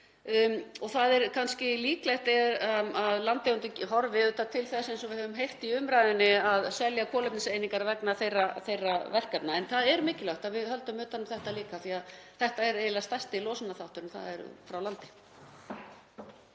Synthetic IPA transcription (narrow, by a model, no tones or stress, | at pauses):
ɔθaðɛɾkʰanscɪliːklajht̪ɛɾaaðlant̪ejʏnt̪ɪcɦɔɾvɪðʏt̪at̪ʰɪlθɛsejnsɔvɪðhœvʏmɦejht̪iʏmɾaːjðɪnːɪaðsɛljakʰɔːlɛp̚nɪsejniŋkaɾvɛknaθejrːaθejrːavɛr̥kap̪̚naɛnθaðɛɾmɪːcɪlaht̪avɪðhœlt̪ʏmʏːt̪anʏmθɛht̪aliːkaθiaðθɛht̪aɛɾeðɪlast̪ajst̪ɪilɔːwsʏnaθaht̪ʏɾʏmθa̰ðɛ̰ɾfɾawlant̪ɪ̥